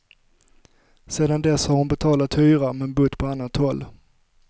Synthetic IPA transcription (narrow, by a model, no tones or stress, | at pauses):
seːd̪and̪ɛshaɾhʊnbɛt̪ʰɑːlat̪hyːɾamɛːnbɵt̪ːpʰɔanːat̪hɔlː